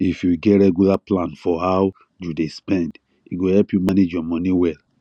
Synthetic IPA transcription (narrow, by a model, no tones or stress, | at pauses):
ifjuɡɛɹɛɡulaplãnfɔhaw | judespɛ̃nd | iɡohɛlpjumaned͡ʒjɔmɔ̃niwɛl